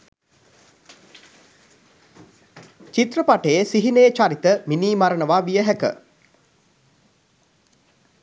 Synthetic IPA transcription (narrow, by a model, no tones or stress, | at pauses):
t͡ʃit̪rəpaʈəjesiɦinəjət͡ʃaɾit̪əminiːmaɾənəʋaʋijəɦækə̰